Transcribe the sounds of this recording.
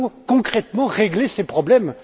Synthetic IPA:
kɔ̃kχɛt̪mɑ̃ʁeɡlesepχɔblɛm

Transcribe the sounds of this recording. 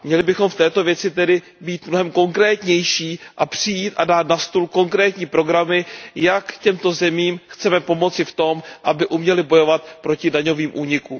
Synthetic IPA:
mɲɛlɪbɪxo̞mft̪ɛːt̪o̞vjɛt͡sɪt̪ɛdɪ | biːt̪mno̞ɦɛmko̞ŋkɾɛːt̪ɲɛjʃiːʔapr̝̥ɪjiːt̪ʔadaːt̪nast̪ulko̞ŋkɾɛːt̪ɲiːpɾo̞ɡɾamɪjakcɛmt̪o̞zɛmiːmxt͡sɛmɛpo̞mo̞t͡sɪft̪o̞mʔabɪʔumɲɛlɪbo̞jo̞vat̪̚pɾo̞cɪdaɲo̞viːmʔuːɲɪkum

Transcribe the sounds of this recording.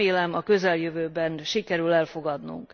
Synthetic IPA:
eːlɛmɒkø̞zɛljøvøːbɛnʃikɛɾylɛlfo̞ɡɒd̪nṵŋk

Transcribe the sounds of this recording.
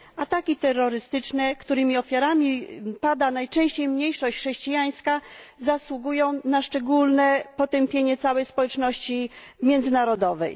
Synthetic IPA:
at̪akʲit̪ɛrːɔɾɘst̪ɘt͡ʂnɛkt̪uɾɘmʲiɔfʲjaɾamʲipad̪anajt͡ʂɛ̃w̃ɕt͡ɕejmɲejʂɔɕt͡ɕxʂɛɕt͡ɕijaj̃skazaswuɡujɔ̃w̃naʂt͡ʂɛɡulnɛpɔt̪ɛmpʲjeɲɛt̪sawɛjspɔwɛt͡ʂnɔɕt͡ɕimʲjɛnd̪zɘnaɾɔd̪ɔvɛ̰j

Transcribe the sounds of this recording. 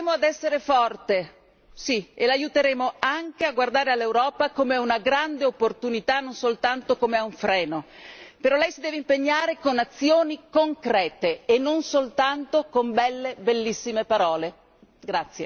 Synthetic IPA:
moad̪ɛsːeɾefɔrt̪e | sielajut̪eɾeːmoaŋk̟eaɡward̪aːɾealːewɾɔːpakomeunaɡɾand̪eopːort̪unit̪anːonsolt̪ant̪okomeauɱfɾɛːnopeɾɔlːɛjsid̪ɛːveimpeɲːaːɾekonat̪sːjoːnikoŋkɾɛːt̪eːnːonsolt̪ant̪okombɛlːebelːisːimepaɾɔːle | ɡɾat̪sːje

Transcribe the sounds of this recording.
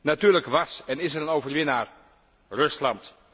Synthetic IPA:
natyːɹləkʋɑsɛnɪsɛɾənowvərʋɪnaːɹ | rɵslɑnt

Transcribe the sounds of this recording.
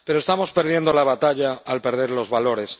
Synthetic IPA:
pe̞ɾoe̞st̪amo̞spe̞ɾð̞je̞nd̪o̞laβat̪aʎaːlpe̞ɾðe̞ɾlo̞zβalo̞ɾe̞s

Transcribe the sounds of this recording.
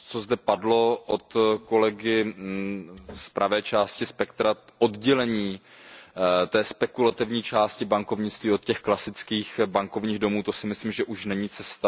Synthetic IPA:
t͡so̞zdɛpadlo̞ʔot̪ko̞lɛɡɪ | spɾʔavɛːt͡ʃaːscɪspɛkt̪ɾaʔodɟɛlɛɲiː | t̪ɛːspɛkulat̪ɪvɲiːt͡ʃaːscɪbaŋkovɲɪt͡st̪viːot̪̚cɛxklasɪt͡skiːxbaŋko̞vɲiːɣdo̞muːt̪o̞sɪmɪslimʒɛʔuʃnɛɲiːt͡sɛst̪a

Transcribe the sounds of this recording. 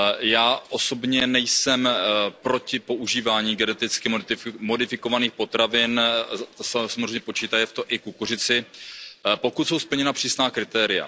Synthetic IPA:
jaːʔo̞so̞bɲɛnɛjsɛmpɾo̞cɪpo̞ʔuʒiːvaːɲiːɡɛnɛt̪ɪt͡skɪmmo̞dɪfɪko̞vaniːxpo̞t̪ɾavɪn | ssamozrejɲɛpo̞t͡ʃiːt̪ajɛft̪oʔɪkukur̝ɪt͡sɪ | po̞kut̪so̞wspl̩ɲɛnapr̝̥iːsnaːkɾɪt̪ɛːɾɪja̰

